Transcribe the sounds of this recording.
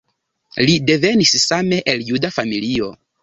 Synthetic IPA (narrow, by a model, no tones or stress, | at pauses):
lide̞ve̞nissame̞ʔeljudafamilio̞̰